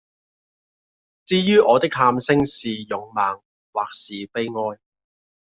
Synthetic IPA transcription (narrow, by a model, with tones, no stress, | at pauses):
t͡siː˥jyː˥ʔɔː˨˧t̪ɪ˥k̚haː˧msɪ˥ŋsiː˨jʊ˨˥ŋmaː˨ŋ | waː˨k̚siː˨˩pe˥jŋɔː˧˥j